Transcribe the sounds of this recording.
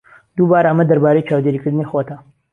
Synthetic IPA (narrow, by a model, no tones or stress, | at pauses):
d̪̥ubaːɾəmɐd̪ɐɾbaːɾejt͡ʃʰaːwd̪eːɾikɨɾd̪ɨnixot̪ʰɐ